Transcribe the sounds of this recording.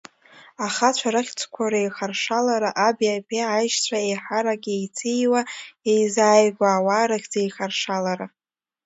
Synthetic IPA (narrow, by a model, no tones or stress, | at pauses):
aχat͡ɕʷʰaɾɨχʲt͡sʰkʷʰaɾaejχarʂalaɾaʔabjapʰʲʼeajʃt͡ɕʷʰaejħaɾaɡʲejt͡sʰijwaejzaːjɡʷaːwaːɾɨχʲd͡zejχarʂalaɾa